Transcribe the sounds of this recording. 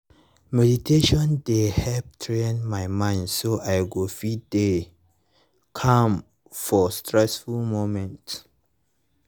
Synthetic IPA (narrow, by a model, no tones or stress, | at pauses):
mɛditʰeʃɔ̃ndehɛlp̚tʰɹẽnmajmãɪndsoʔajɡofide | kʰãm | fɔstɹɛsfulmomɛ̃nt